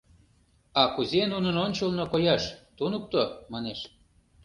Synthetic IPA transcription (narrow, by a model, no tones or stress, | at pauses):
ɑkuzʲenunənonʲt͡ɕəlnokojɑʃt̪unuk̚t̪omɑneʃ